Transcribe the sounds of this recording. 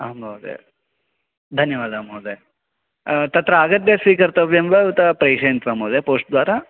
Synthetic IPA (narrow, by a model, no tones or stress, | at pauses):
aːmbɐwd̪ḛ | d̪ʱɐnjɐʋaːd̪aːmoːd̪e | t̪ɐt̪ɾɐaːɡɐd̪ːesʋiːkɐɾt̪ɐʋjembɐt̪ɐpɾejʂɐjɐnt̪ʋaːmɐːd̪epoːʂʈ̚d̪ʋaːɾɐ